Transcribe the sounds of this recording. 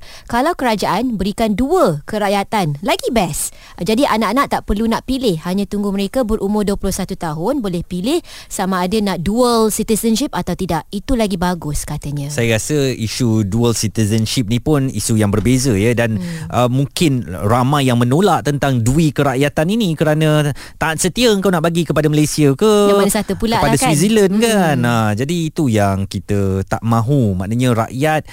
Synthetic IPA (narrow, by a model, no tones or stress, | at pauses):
kalawkəɾad͡ʒaʔanbəɾikanduəkəɾaʔjat̪anlaɡibɛs | d͡ʒadiʔanaʔanaʔ̚t̪aʔpərlunaʔpilɪhhaɲãt̪uŋɡʊmə̃ɾekabərʔumʊrduəpulʊhsat̪ut̪aɦʊnbolɛhpilɪh | samãːdanãʔduəlsit̪isənʃip̚at̪awt̪idaʔ̚it̪ulaɡibaɡʊskat̪aɲãsajaɾasəisuduəlsit̪izənʃip̚nĩpʊnḭsujaŋbərbezəjədanʔəmũŋkɪnramajːaŋmə̃nolaʔt̪ənt̪aŋduikəɾaʔjat̪aninĩkəɾanə̃ | t̪aːt̪̚sət̪iaəŋkawnaʔbaɡikəpadaməlajsiakəmanasat̪upulaəpadasizilənkanad͡ʒadiːt̪ujaŋkit̪ət̪a̰ʔmãɦumã̰ʔnaɲə̃ɾa̰ʔjat̪̚